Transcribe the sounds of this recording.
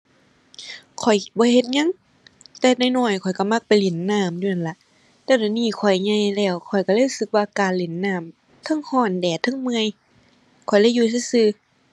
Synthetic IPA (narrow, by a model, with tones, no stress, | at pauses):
kʰɔ˨˩jbɔː˧˦he˧t̪̚ɲa˧˥˨ŋ | t̪ɛː˧na˧˨jnɔː˧˩jkʰɔ˨˩jka˧˩ma˧˩k̚pa˨jle˨˩˦nːaː˧˩˨mdu˧˨a˧˩nla˧˦ʔ | t̪ɛː˧˩˨dɔː˨˧˩niː˧˩kʰɔ˨˩jɲa˧˨jlɛː˧˩wkʰɔ˨˩jka˧˩lːlu˧sɯ˧k̚waː˧kaː˨nle˨˦nːaː˧˩˨m | t̪ʰɤ˧˥˨ŋhɔː˧˩ndɛː˨˩t̪ʰɯ˧˥˨ŋmɯ˧əj | kʰɔ˨˩jla˧˩˨jːuː˧s̬a˧˨sɯː˧